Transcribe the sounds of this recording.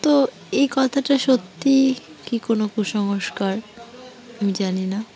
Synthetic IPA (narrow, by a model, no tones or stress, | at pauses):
t̪o | ejkɔt̪ʰaʈaʃot̪ːikikonokuʃɔŋoʃkaɾ | amid͡ʑanina